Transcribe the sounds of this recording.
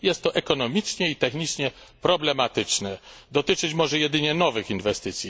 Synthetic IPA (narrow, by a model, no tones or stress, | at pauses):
jɛst̪ːɔʔɛkɔn̪ɔmʲit͡ʂɲɛit̪ɛxɲit͡ʂɲɛ | pɾɔblɛmat̪ɘt͡ʂnɛd̪ɔt̪ɘt͡ʂɘt͡ɕmɔʐɛjɛd̪ɘɲɛnɔvɘxinvɛst̪ɘt̪sʲji